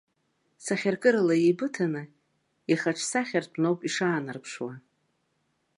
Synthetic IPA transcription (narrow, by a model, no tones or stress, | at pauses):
saχʲarkʼɨɾalajejbɨtʰanɨ | iχaʈ͡ʂʰsaχʲartʰʼnowpʼiʂaːnarpʰʂwa